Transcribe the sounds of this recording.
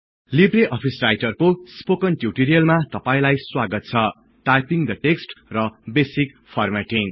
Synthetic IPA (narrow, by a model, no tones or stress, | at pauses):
libreʔʌpʰisrajʈʌrkospokʌnʈjuʈiɾijʌlmat̪ʌpaĩlajswaɡʌt̪̚t͡sʰʌ | ʈajpiŋd̪ʌʈeksʈrʌbesik | pʰʌrmaʈiŋ